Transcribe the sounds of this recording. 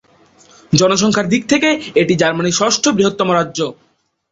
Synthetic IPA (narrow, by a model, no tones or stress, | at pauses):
d͡ʑɔnoʃɔŋkʰaɾd̪ik̚t̪ʰekeeʈid͡ʑaɾmaniʃɔʃʈʰobɾiɦot̪ːomoɾadːʑo